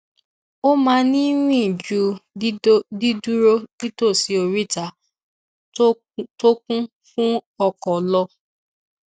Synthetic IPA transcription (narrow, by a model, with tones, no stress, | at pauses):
o˦mã˦nĩ˦nĩ˦˨d͡ʒu˨˦ | di˦du˦ɾo˦ni˦to˦˨si˨o˨ɾi˦ta˨ | to˦kũ˦ | fũ˦ɔ˧kɔ˨lɔ˧